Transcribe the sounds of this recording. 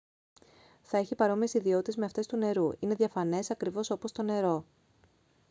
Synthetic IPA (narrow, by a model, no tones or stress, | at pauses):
θɐe̞çipɐɾo̞mie̞siðio̞t̪it̪zme̞ɐft̪e̞st̪une̞ɾuine̞ðʝɐfɐne̞sɐkɾivo̞sopo̞st̪o̞ne̞ɾo̞